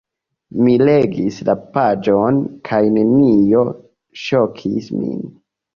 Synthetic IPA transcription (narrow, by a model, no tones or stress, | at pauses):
mileɡislapad͡ʒonkʰajne̞nijo̞ | ʃo̞kʰḭsmḭn